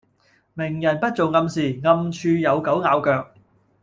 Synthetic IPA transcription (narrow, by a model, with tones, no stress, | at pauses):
mɪ˨˩ŋjɐ˨˩npɐ˥t̚t͡so˨wŋɐ˧msiː˨˩ŋɐ˧mt͡ʃʰyː˧jɐ˨˧wkɐ˨˥wŋaː˨˧wkœː˧k̚